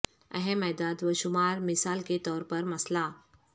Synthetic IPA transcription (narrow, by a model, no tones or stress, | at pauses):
ə̰ɦẽmɛːd̪aːd̪ʋəʃʊmaːɾmɪsaːlket̪ɔːɾpɐɾmɐsla